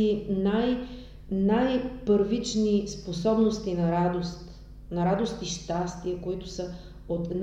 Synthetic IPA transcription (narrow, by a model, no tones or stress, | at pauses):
inaj | najpəɾvit͡ʃnisposɔbnost̪inɐɾad̪ost̪ | nɐɾad̪ost̪iʃt̪ast̪iəkoit̪ʊ̥sə | ot̪n